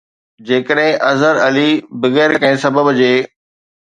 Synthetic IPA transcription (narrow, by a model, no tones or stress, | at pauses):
d͡ʑeːkəɗɦɪ̃ʔɐzəɾɐlibɐɣɛːɾkɐɦɪ̃sɐbəbd͡ʑeː